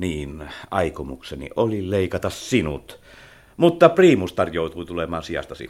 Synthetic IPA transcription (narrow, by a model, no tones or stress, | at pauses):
niːnʔɑˑikomuksenḭolileˑikɑt̪ɑssinṵt̪ | mut̪ːɑpriːmust̪ɑrjoˑut̪uit̪ulemˑɑːnsijɑ̰st̪ɑsḭ